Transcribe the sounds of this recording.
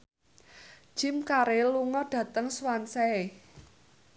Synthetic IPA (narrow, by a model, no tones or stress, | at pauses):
d̥ʒ̥ɪ̤mkaɾeluŋɔɖ̥ä̤t̪əŋswansɛe